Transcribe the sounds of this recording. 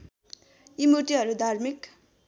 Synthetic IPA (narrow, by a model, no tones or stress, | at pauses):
imuʈiɦʌɾud̪ʱarmik